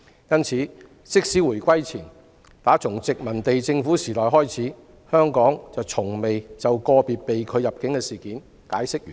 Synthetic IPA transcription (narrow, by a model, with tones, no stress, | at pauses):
jɐ˥nt͡sʰiː˨˥ | sɪ˥k̚siː˨˥wuː˨˩jkʷɐ˥jt͡sʰiː˨˩n | t̪aː˨˥t͡sʰʊ˨˩ŋt͡sɪ˨k̚mɐ˨˩nt̪e˨jt͡sɪ˧ŋfuː˨˥siː˨˩t̪ɔː˨jɦɔː˥jt͡sʰiː˨˥ | hœː˥ŋkɔː˨˥ŋt͡sɐ˨wt͡sʰʊ˨˩ŋme˨jt͡sɐ˨wkɔː˧piː˨t̚pe˨jkʰɵ˨˧ɥjɐ˨p̚kɪ˨˥ŋkɛ˧siː˨˩kiː˨˥n | kaː˨˥jsɪ˥k̚jyː˨